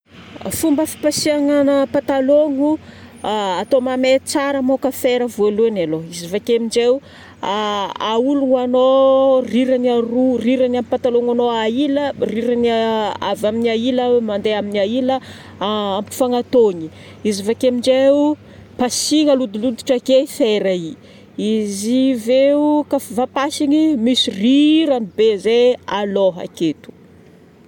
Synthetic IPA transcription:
fumbəfi̥pasiaŋanəpat̪aloŋu | at̪omamet͡saɾəmokəfeɾəvoluanaloizivakemiɳɖ͡ʐeu | aauluŋanoriɾaniaruriɾanamipat̪aloŋanoailəriɾanaa̰vaminiailəmand̪eaminailə | ampi̥faŋat̪oɲi | izivakemiɳɖ͡ʐeu | pasiŋəlud̪ulud̪u̥ʈ͡ʂakefɛɾai | iziveukafivapasiɲimisiriɾanibezealoɦa̰ket̪u̥

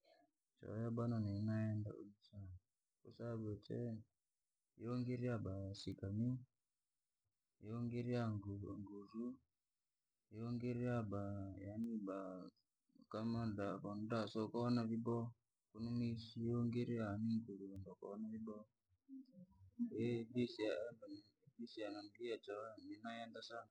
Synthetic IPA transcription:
t͡ʃa̰jaɓananinaɛnda̰ṵɗit͡ʃa | kṵsaβet͡ʃɛ̰ | jioŋɡeɾiaɓasikami | jeoŋɡeɾiaŋɡuɾu | jioŋɡeɾiabajaniɓa | kamandakɔndasɔkaɔnaβibɔ | kunumisiɔŋɡɛɾianiŋɡuɾuɔndaka̰ɔnaβibɔ | ɛbisiadbisianaŋɡiat͡ʃaminajandasa

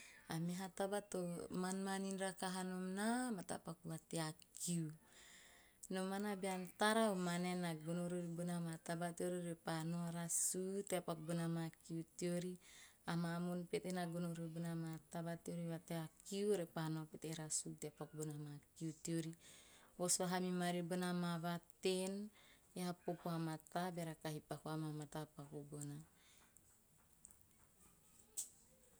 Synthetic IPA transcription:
amiɦat̪abat̪omanmaninɾakaɦanomnamat̪a̰pakwat̪eakiu | nomanabiant̪aɾaumanenaɡunoɾuɾibunamat̪abat̪ioɾiɾepanoaɾasut̪eapak̚bunamakiut̪ioɾiamamunpet̪enaɡunoɾebunamat̪aβat̪ioɾiβat̪eakiuɾepanopet̪eɾasut̪eapak̚bunamakiut̪ioɾiwosaɦamimaɾibonamaβat̪enjaapopoamat̪abeɾakaɦipakuamamat̪apakubona

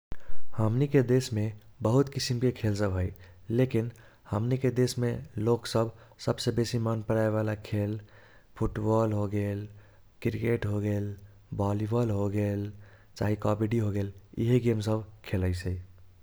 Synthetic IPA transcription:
həmniked̪esmebəɦut̪kisimkekʰelsəbɦoj | lekin | həmniked̪esmeloksəbʱ | səbsebesimənpəɾaeβalakʰel | pʰuʈbɔlɦoɡel | kɾikeʈɦoɡel | bɔlibəlɦoɡel | t͡ʃaɦikɔbiɖiɦoɡelḭɦiɡemsəbʱkʰeləɪsəj

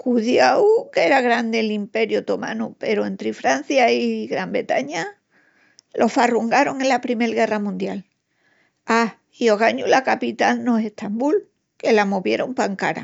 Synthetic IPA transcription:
kuðjaukeeɾaɣɾand̪elimpe̞ɾjot̪o̞ma̰nupe̞ɾoe̞nt̪ɾifɾan̟θjaiɣɾambɾe̞t̪aɲa | lʔo̞faruŋɡaɾo̞ŋe̞lapɾime̞lɣe̞ramũnd̪jal | a | io̞ɣaɲulakapit̪alnoe̞ht̪ʰambul | ke̞lamoβje̞ɾompaŋkaɾa̰

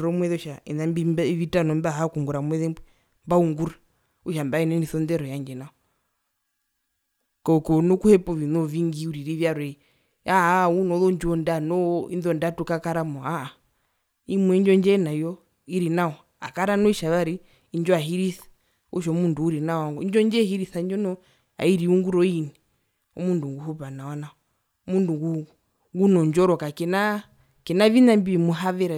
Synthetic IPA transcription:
ɾɔmwɛðuʃaḭnambiʋitanɔmbaɦakuŋɡuɾamwɛðɛ | mbauŋɡuɾa | uʃambainɛniθɔndɛɾɔjand͡ʒɛnaɔ | kɔkɔnɔkuhɛpɔʋinɔviŋɡiuɾiɾiʋjaɾwɛ | aunɔlɔɲd͡ʒɔndanɔḭnðɔndatukakaɾamɔaa | imuɛnd͡ʒɔnd͡ʒɛnajɔ | iɾinaɔ | a̰kaɾanɔiʃaʋaɾiː | nd͡ʒɔaɦiɾiθḁ | ṵʃ̬ɔmunduuɾinawɔaŋɡɔind͡ʒɔnd͡ʒɛhiɾiθaiɲd͡ʒɔnɔ | a̰iɾiuŋɡuɾɔini | ɔ̰munduŋɡuhupanawanaɔ | munduŋɡu | ŋɡunɔɲd͡ʒɔɾɔkakɛna | kɛnaʋinambiimuɦaʋɛɾa

